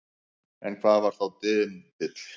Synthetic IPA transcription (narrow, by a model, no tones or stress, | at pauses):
ɛnkʰvaːðvaɾ̥θawt̪ɪðmt̪ɪt̪l̥